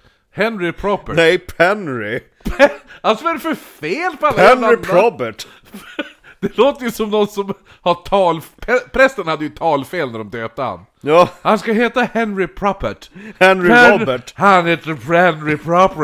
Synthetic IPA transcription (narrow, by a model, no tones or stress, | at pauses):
hɛnɾɪpʰɾɔpənɛjpʰɛnɾɪ | pʰɛhalsɔæɾɛfœɾfeːlpɔalːɛnːaɪɾɔbəʈ | fd̪̥ɛloːt̪əjʉsɔmnɔnsɔm | haʈʰɑːlpʰɛpʰɾɛst̪ənhad̪ːəjɵt̪ʰɑːlfeːlnæɖɔmd̪øːt̪̚əɾa̰n | jɑːhanskaɦeːt̪ahɛnɾɪpʰɾɔpəʈhɛnɾɪɛɔbəʈhanheːt̪əɾpɾɛnɾɪpʰɾɔpɾ